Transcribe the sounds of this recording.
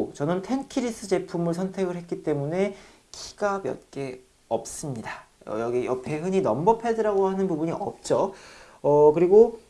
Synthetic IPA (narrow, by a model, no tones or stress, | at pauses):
t͡ɕʌnɯntʰe̞nkʰiɾis͈ɯd͡ʑe̞pʰumɯɭs̬ʰʌntʰe̞ɡɯɭɦe̞tk͈it͈e̞mune̞ | kʰi̥ɡ̥abjʌ̰t̚k͈e̞ | ʌp̚s͈ɯmɲidaʌ̰jʌɡiʌpʰe̞ɦɯɲinʌmbʌpʰedɯɾaɡohanɯnpubuɲiʔʌ̰p̚t͡ɕ͈o | ʌkɯɾiɡo